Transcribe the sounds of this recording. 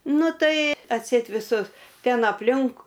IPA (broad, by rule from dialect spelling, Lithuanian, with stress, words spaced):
ˈnʊ ˈtɐɪ ɐtʲˈsʲɛɪt ʋʲɪˈsʊs ˈtʲɛn ɐpʲˈlʲɪŋk